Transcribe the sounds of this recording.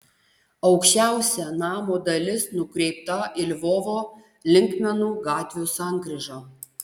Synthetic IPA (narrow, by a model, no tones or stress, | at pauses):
ɐʊkʃʲt͡ʃʲæˑʊsʲɛnɑːmoːd̪ɐlʲɪsnʊkɾʲɛɪp̚t̪ɐɪlʲʋoːʋoː | lʲɪŋkmʲɛnuːɡɑːt̪ʲʋʲoːsɑˑŋɡɾʲɪʒɑː